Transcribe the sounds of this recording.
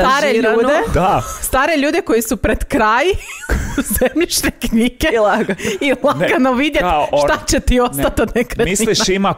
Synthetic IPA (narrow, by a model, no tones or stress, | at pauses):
st̪aɾeuːd̪ed̪ast̪aːɾeʎuːd̪eko̞jisupɾed̪kɾaːjuzzemʎit͡ʃnekɲiːɡ̥elaɡailˠaɡanoʋid̪jeʃt̪at͡ɕet̪iosat̪anekɾemisiliʃima